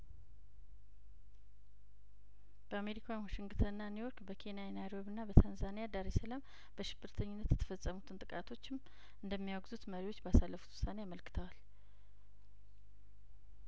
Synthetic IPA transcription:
b̥əame̞ɾikʰawinwaʃɪŋɡɨt̪ʰənɨnːanujo̞ɾkbəkʰe̞nijajɛnajɾo̞βɨnːabət̪ʰanzanijad̪aɾesəlam | bəʃɪbːɨɾt̪ʰəɲːɪnːət̪jɛt̪ʰə̥fəsʼːəmut̪ʰɨnt̪ʼɨkʼat̪ʰo̞t͡ʃːɪm | ʔɨnd̪əmːijaɡzut̪məɾiwo̞t͡ʃːbəasalːəfu̥t̪wʊ̥sanejaməlkɨ̥t̪ʰəwal

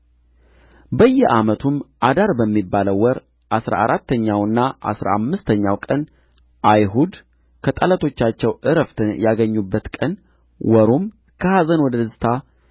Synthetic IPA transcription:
bəjːɛʔamət̪ʰumʔad̪aɾbəmːibːaləwːɔɾ | ʔasɾa̰ʔaɾʔat̪ːəɲːawɨnːaʔa̰sɾa̰amːɨst̪ʰəɲːawkʼən | ʔajɦud̪ | kʰət̪ʼalət̪ʰo̞t͡ʃːat͡ʃːɛwʔɨɾəft̪ʰɨjaɡəɲːubːət̪kʼən | wɔɾom | kʰəhazənwɔd̪əd̪sɨt̪ʰa

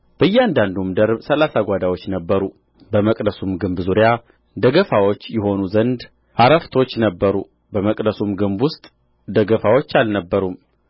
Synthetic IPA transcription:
b̥əjːɛand̪and̪umd̪əɾbsəlasaɡʷad̪awo̞t͡ʃːnəbːəɾu | bəməkʼd̪əsumɡɨmbzuɾja | d̪əɡəfawot͡ʃːjɛɦo̞nuzənd̪ | ʔaɾəft̪ʰo̞t͡ʃːnəbːəɾṵ | bəməkʼd̪əsumɡɨmbwʊst̪ʼ | d̪əɡəfawo̞t͡ʃːalnəbːəɾum

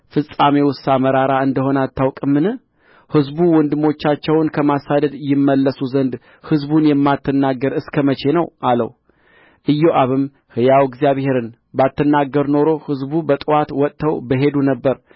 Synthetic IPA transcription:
fɨsʼamewʊsaməɾaɾaɨnd̪əho̞nat̪ːawkʼɨmːɨnɨ | hɨzbuwɔnd̪ɨmo̞t͡ʃːat͡ʃːɛwnkʰəmasad̪əd̪jɪmːəlːəsuzənd̪ | hɨzbunjɛmːat̪ʰːɨnːaɡəɾɨskʰəmət͡ʃe̞nəwʔalə̰w | ʔɨjːoʔaβɨm | hɨjawɛɡzijaβhe̞ɾɨn | bat̪ːɨnːaɡəɾno̞ɾo̞hɨzbubət̪ʼɨwat̪wɔt̪ʼʰːəwbəɦe̞d̪unəbːəɾ

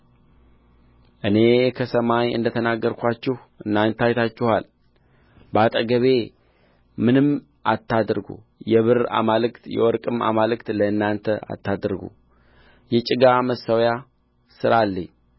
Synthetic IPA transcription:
ʔɨne̞kʰəsəmajɨ̰nd̪ət̪ʰənaɡːəɾkʷʰat͡ʃːɪh | ʔɨnːant̪ʰajt̪ʰat͡ʃːɪhal | bat̪ʼəɡəβe̞ | mɨnɨm | ʔat̪ʰːad̪ɾɡṵ | jɛβɨɾa̰malɨkt̪jɛ̰wɔɾkʼɨma̰malɨkt̪ləɨnːant̪ʰəa̰t̪ːad̪ɾɡṵ | jɛt͡ʃʼɪɡaməsːəwja | sɨɾalːəɲː

